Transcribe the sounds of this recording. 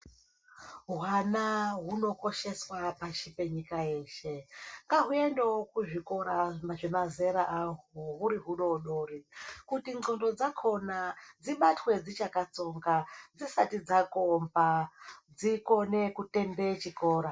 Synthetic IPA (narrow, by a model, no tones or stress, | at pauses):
ɦwanaɦuno̞ko̞ʃe̞swapaʃipe̞ɲikaje̞ːʃe̞ŋɡaɦue̞ndeokuʐiko̞ɾaʐemaze̞ɾaʔaɦoɦuɾiɦuɗo̞ɗoːrikutio̞ndo̞d͡zakʰo̞nad͡ziɓatwe̞d͡zit͡ʃakat͡so̞ŋɡad͡zisatid͡zakombad͡ziko̞ne̞kute̞mbe̞t͡ʃiko̞ːɾa